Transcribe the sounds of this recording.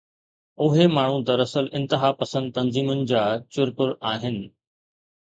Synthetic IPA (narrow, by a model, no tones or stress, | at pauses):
ʊɦemaːɳ̤ũd̪ɐɾɐsəlɪ̃nt̪ɪɦaːpɐsə̃nd̪̚t̪ɐnziːmʊnɪ̆d͡ʑaːt͡ɕʊɾpʊɾaːɦɪnɪ̆